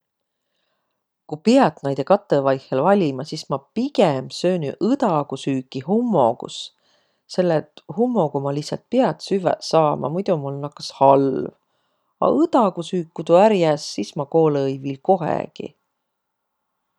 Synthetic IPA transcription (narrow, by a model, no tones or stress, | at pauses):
kupiɑt̪nɑjd̪̥ekɑt̪ːˑevɑjhelvɑlʲimɑsismɑpiɡemsøːnyʔɯd̪̥ɑɡ̥usyːkːˑihumːo̞̰ɡ̥ṵs | se̞lːet̪ˑhumːo̞ɡumɑlisɑ̰lt̪̚piɑt̪syvɛ̰sɑːmʔɑ̰mujd̪umulnɑkːˑɑ̥shɑlv | ɑ̰ʔɯd̪̥ɑɡusyːkːut̪uæɾjæsːismɑko̞ːlɤjvilko̞ɦḛɡ̥ḭ